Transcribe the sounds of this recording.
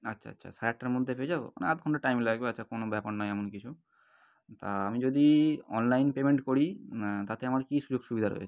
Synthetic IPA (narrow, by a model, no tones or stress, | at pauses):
atːɕʰa̰ɐ̰tːɕʰa̰sʈːaɾmod̪ʱːepeed͡ʑabo̰a̰neat̪̚kʰɔɳʈaʈajmlaɡbeatːʃʰakonobɛpaɽnɔeɛmonkit͡ɕʰu | t̪aamid͡ʑod̪iɔnlajnpemeɳʈkoɽit̪at̪eamaɾkiʃud͡ʑoɡʃubid̪ʱaɾo̰jḛe̥